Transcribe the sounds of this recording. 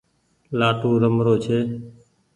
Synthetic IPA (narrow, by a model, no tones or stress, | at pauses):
laːʈuːɾəmɾoːt͡ʃʰeː